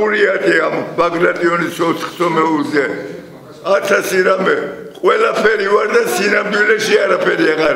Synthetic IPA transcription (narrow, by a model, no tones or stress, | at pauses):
uɾiad̪iambaɡɾat̪ʼiɔnisɔt̪sʰχsɔmɛulzɛ | at̪ʰasiɾamɛqʼwɛlapʰɛɾivaɾd̪asinamd̪wilɛʃiaɾapʰɛɾiaʁaɾ